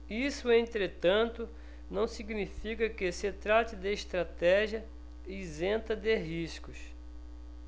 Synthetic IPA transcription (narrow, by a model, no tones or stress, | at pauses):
isʊẽnt̪ɾet̪ɐ̃nt̪ʊ | nɐ̃w̃siɡnifikɐkɪsɪt̪ɾat͡ʃ̪ɪd̪ɪiʃt̪ɾat̪ɛʒiɐ | izẽnt̪ɐd̪ɪɦiskʊs